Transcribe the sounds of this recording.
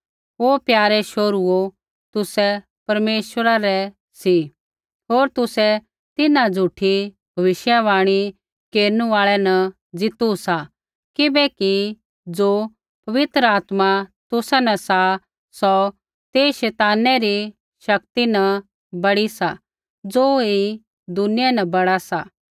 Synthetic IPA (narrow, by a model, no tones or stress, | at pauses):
oːpjaːɾɛʃoːɾuo | t̪ʊsɛ | pɐɾmeːʃwəɾaɾɛ | si | ɦoːɾt̪ʊsɛ | t̪ɪnãd͡zʱuʈʰi | bʱɐʋɪʃjaʋaːɽ̃i | keːɾnũaːɭɛnɐ | d͡zɪt̪usa | kɪbɛki | d͡zoː | pɐʋɪt̪ɾəaːt̪mat̪ʊsɛnɐsa | sɔ | t̪eːʃɛːt̪aːnɛɾi | ʃɐk̚t̪inɐ | bɐɽisa | d͡zoːi | d̪ʊnɪjanɐbɐɽasa